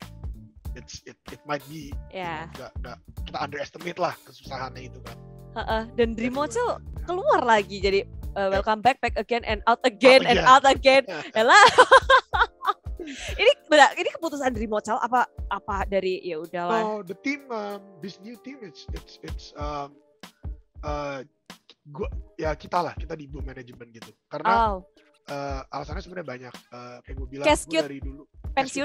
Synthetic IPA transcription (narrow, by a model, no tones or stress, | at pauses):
ɪt̪sɪt̪̚ɪt̪̚majt̪̚bijaɡaʔŋɡaʔkit̪aandəɾɛst̪əmet̪lahkəsu̥saɦanɲait̪ukanəʔəhdandɾimot͡ʃəlkəluarlaɡid͡ʒadiəwɛlkambɛk̚bɛk̚əɡɛnʔɛ̰̃nawt̪əɡɛnɛ̃nawt̪əɡɛnjala | inibədainikəput̪usandɾimot͡ʃalʔa̰paʔapadaɾijaudalad̪ət̪ɪməmdɪsnjut̪ɪmɪt̪sɪt̪sɪt̪səm | ə | ɡuajakit̪alahkit̪adibumɛned͡ʒmənɡit̪ukaɾənaaw | ʔəːalasanasəmətɲabaɲak̚əːkajɡuabilakɛskjʊaɾidulupɛnsiʊn